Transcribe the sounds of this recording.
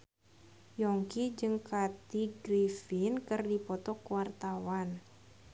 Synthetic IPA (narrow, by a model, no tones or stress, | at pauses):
jɔŋkid͡ʒɨŋkat̪iɡɾifinkərdipɔt̪ɔkwart̪awan